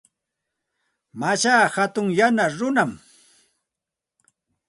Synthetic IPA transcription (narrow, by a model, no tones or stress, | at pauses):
mat͡ʃaːhat̪ʊŋjanaɾʊnam